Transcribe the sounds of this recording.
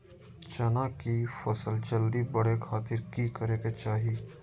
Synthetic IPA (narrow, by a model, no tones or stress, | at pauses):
t͡ʃɐnaːkifɐsəld͡ʒɐld̪ibɐɽekʰaːt̪ɪɾkikɐɾeːɡet͡ʃaːɦiː